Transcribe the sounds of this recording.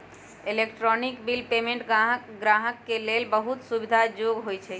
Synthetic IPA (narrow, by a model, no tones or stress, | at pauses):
elekʈɾɔnikbilpemẽɳʈɡɾaɦəkːelelbəɦut̪subid̪ʱad͡ʒoɡɦojt͡ʃʰɛ